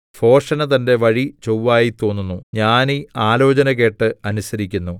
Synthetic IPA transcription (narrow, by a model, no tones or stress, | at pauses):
fʰo̞ːrʂɐnɐt̪ɐnde̞ʋɐɻit͡ɕowːaːjit̪o̞ːnːunːuɲaːniaːlo̞ːt͡ɕɐnɐɣe̞ːʈːɨɐnusɐɾikʲːunːu